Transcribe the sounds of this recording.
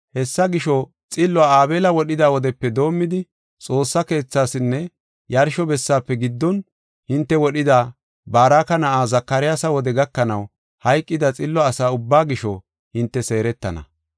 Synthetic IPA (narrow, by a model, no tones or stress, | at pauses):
hɛsːɐɡɪʃɔ | t͡sʼɪlːɔaːaːbe̞ːlɐwɔɗɪd̪aːwɔd̪ɛpːɛd̪o̞ːmːɪd̪ɪ | t͡sʼo̞ːsːɐke̞ːt͡sːaːsɪnːɛ | jɐɾʃɔbɛsːaːpːɛɡɪd̪ːɔn | hɪnt̪ːɛwɔɗɪd̪aː | baːɾaːkɐnɐʔaːzɐkːɐɾɪjasɐwɔd̪ɛɡɐkːɐnɐw | hɐjkʼːɪd̪ɐt͡sʼɪlːɔɐsaːʊbːaːɡɪʃɔ | hɪnt̪ːɛse̞ːɾɛt̪ːɐ̰nɐ̰